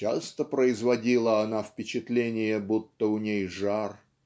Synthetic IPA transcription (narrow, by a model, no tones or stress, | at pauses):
t͡ɕa̰st̪əpɾəɪzvɐdʲilˠəɐnafpʲɪt͡ɕɪt̪lʲenʲɪjəbut̪ːəʊnʲejʐar